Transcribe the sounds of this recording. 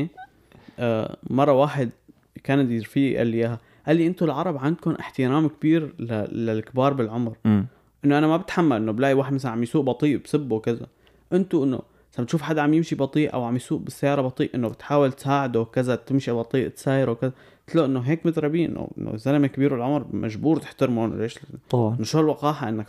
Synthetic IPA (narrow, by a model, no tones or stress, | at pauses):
mɑrˤːɑwaːħɪd̪̚ | kaːnad̪iɾfiːʔʔa̰lːjaːɦa | ʔalːiʔɪnt̪ʊlʕɑɾˤɑbʕand̪̚kʊnʔɪħt̪ɪɾaːmkbiːɾlalalkbɑːɾˤbɪlʕʊmɾ | ʔɪnːoʔanamabɪt̪ħamːalʔɪnːoblaːʔiwaːħd̪masalnʕamjsuːʔbɑt̪ˤiːʔbsɪbːuwkaza̰ | ʔɪnt̪uʔɪnːo̰ | sabɪt̪ʃuːfħad̪ːaʕamjɪmʃibɑt̪ˤiːʔʔa̰wʕamjsuːʔbɪsːajːɑːɾˤɑbɑt̪ˤiːʔʔɪnːobɪt̪ħaːwɪlt̪saːʕɪd̪okɪzat̪ɪmʃibɑt̪ˤiːʔt̪saːjɾowkɪza | t̪loʔɪnːoɦeːkmɪd̪ɾˤɑbiːʔɪ̰nːo̰ʔɪ̰nːo̰zalamkbiːɾbɪlʕʊmɾmʔa̰ʒbuːɾt̪ɪ̥ħt̪ɪɾmon̰lʔeːʃɑnʃuːlwɑqɑːħaʔɪnːak